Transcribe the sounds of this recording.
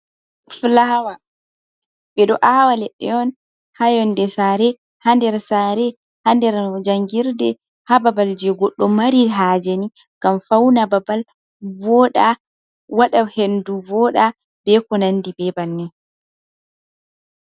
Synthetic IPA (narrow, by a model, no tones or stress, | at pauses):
flawa | ɓɛɗɔʔawalɛɗːɛ̰ɔn | hajɔndɛsaːɾɛ | handɛɾsaɾɛ | handɛɾd͡ʒaŋɡiɾdɛ̰ | hababald͡ʒɛɡɔɗːɔmaɾiɦaːd͡ʒeni | ɡ̥amfawnababal | vɔɗa | waɗahenduvɔɗa | b̥ɛkɔnandibɛbanːɛ